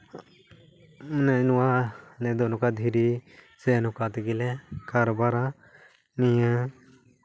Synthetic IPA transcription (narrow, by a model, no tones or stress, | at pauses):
nɛnuwanɛd̪onukad̪ʱiɾi | sɛnukat̪ɡilɛkaɾbaɾa | nija